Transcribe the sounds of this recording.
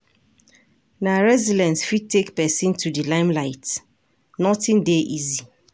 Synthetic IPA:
naɹɛzidɛ̃nsfid̚tekpɛsĩntʰudilãɪ̃mlaɪt | nɔtɪ̃ndeʔizi

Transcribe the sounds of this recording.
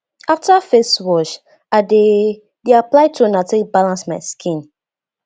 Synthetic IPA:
aftafeswɔʃ | aɪde | deaplaɪtonateibalãnsmaɪskʰĩn

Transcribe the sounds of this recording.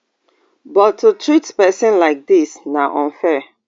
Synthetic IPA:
bɔtʰːutʰɹitpɛsɪ̃nlaɪk̚disnaʔɔ̃nfɛ

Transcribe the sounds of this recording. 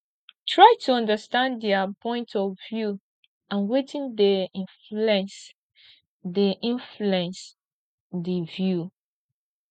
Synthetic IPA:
tʰɹajtʰuɔ̃ndəstãndɛapʰɔ̃ɪ̃ntʰɔvvju | ãnwetʰĩndẽ | ɛ̃s | deʔĩnfluɛ̃ns | divju

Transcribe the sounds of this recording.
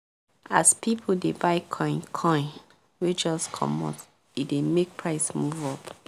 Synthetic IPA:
aspʰipʰoldebaɪkʰɔ̃ɪ̃nkʰɔ̃ɪ̃n | wed͡ʒɔskʰɔ̰mɔ̰t | idemek̚pʰɹaɪsmuvɔp

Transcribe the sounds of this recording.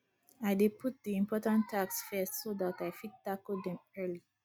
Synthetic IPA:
aɪdepʰut̚diĩmpʰɔtãntʰːaksfɛstsodataɪfid̚takldɛ̃mɜli

